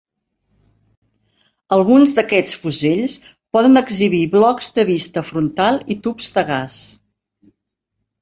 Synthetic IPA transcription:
əlˠɣunzðəkɛt͡sfuzeʎspɔðənəɡziβ̞iβlɔkz̥d̪əβist̪əfɾunt̪alˠit̪upz̥ðəɣas

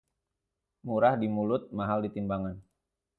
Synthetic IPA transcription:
muɾahdimulʊt̪̚maɦaldit̪imbaŋan

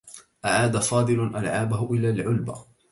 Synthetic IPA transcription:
ʔaʕaːd̪afɑːd̪ˤɨlʊʔalʕaːbahʊʔɪlaːlʕʊlba

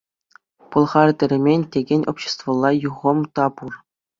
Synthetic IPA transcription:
pɤ̆lˠʁɑrʲd̪ʲɘ̆ɾʲɘ̆mʲenʲtʲeɡʲenʲopʲɕĕ̥st̪vŏlˠːɑjuʁɤ̆mt̪ɑpur

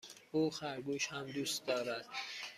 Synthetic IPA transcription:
uːxæɾɡuʃhæmd̪ust̪d̪ɒːɾæd̪̥

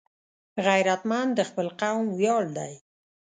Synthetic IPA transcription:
ɣajɾat̪mand̪əxpəlqawmwjɑɽd̪a̰j

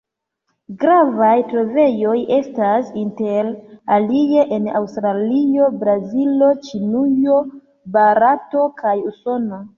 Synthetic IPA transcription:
ɡɾavajtɾo̞ve̞jo̞je̞stasinte̞ɾalie̞ʔena̰wstɾalio̞bɾazilo̞t͡ʃinujo̞ | baɾato̞kʰajuso̞no

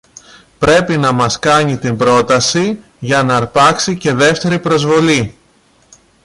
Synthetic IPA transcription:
pɾe̞pinɐmɐskɐɲit̪imbɾo̞t̪ɐsi | ʝɐnɐɾpɐksice̞ðe̞ft̪e̞ɾipɾo̞zvo̞li

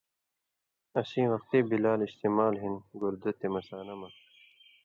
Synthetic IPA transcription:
ɐsĩːwɐqt̪iːbilaːliɕt̪imaːlɦinɡuɾd̪ut̪imɐsaːnɐmɐ

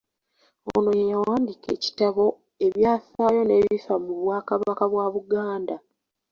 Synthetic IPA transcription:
o̰no̞jejawaːndike̞ci̥taβo̞ | e̞βjaːsaːjo̞ne̞βifamuβwaːkaβakaβwaβuɡaːnda

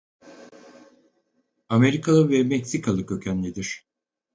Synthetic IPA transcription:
ame̞ɾikʰalˠɯvɛmɛcsikʰalˠɯkø̞cʰænːʲid̪iɾ̥

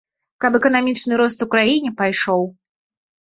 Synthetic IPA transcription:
kɐpɛkɐn̪amʲit͡ʂnɨɾɔst̪ukɾajinʲipajʂɔw

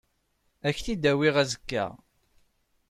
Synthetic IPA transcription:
æçθid̪æwiʁæzəkːæ̰

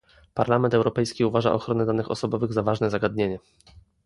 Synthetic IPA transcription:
paɾlamɛnt̪ɛwɾɔpɛjskʲiuvaʐa̰ʔɔ̰xɾɔnɛd̪anɘxɔ̰sɔbɔvɘɣzavaʐnɛzaɡad̪ɲeɲɛ

